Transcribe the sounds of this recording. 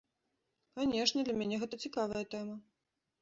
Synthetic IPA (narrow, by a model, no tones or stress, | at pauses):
kanʲɛʂnʲɐd̪lʲɐmʲænʲɛɣɛt̪ɐt͡sʲikavɐjɐt̪ɛmɐ